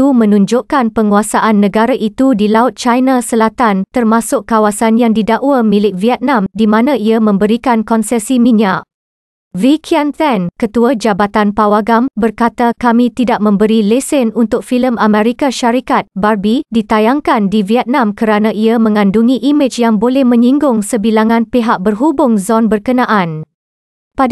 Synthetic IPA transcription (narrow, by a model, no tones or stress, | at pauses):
t̪umə̃nũɲd͡ʒʊʔkanpəŋuasaʔanːə̃ɡaɾaʔit̪udilaʊt̪̚t͡ʃajnasəlat̪ant̪ərmãsʊkːawasanjaŋdidaʔwamilɪk̚viɛt̪̚nãmdimãnãiamə̃mbəɾikankɔnsɛsimĩnaʔ | vikʰiant̪ɛnkət̪uad͡ʒabat̪anpawaɡambərkat̪akamĩt̪idaʔ̚mə̃mbəɾilesɛnunt̪ʊk̚filəmamɛ̃ɾikaʃaɾikat̪̚barbidit̪ajaŋkandiviɛt̪̚nãmkəɾanãʔiamə̃ŋãnduŋĩʔimɪt͡ʃjaŋbolɛhmə̃ɲĩŋɡʊŋsəbilaŋãnpeɦaʔ̚bərɦubʊŋzɔnbərkənãʔan | pad